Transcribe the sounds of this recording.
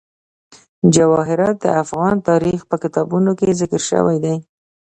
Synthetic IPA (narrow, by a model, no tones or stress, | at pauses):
d͡ʒawɑɦɪɾɑt̪̚d̪ə̰afɣɑnt̪ɑɾixpəkɪt̪ɑbunokezɪkɾʃə̰wajd̪aj